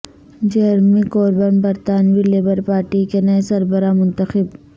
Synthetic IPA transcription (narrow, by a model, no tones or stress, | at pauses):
d͡ʒɐɾmikoːɾbənbɐɾt̪aːnʋileːbəɾpaːɾʈikenɐesɐɾbəɾamʊ̃nt̪əxɪb